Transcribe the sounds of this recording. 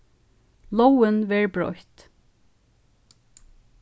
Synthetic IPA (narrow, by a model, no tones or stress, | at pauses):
lowənʋɛːɹbɹɔ̰jt̪